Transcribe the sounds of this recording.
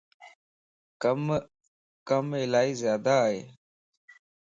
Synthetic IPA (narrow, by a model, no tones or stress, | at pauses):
m | kəmɪlaːiːzjaːd̪aːɦḛː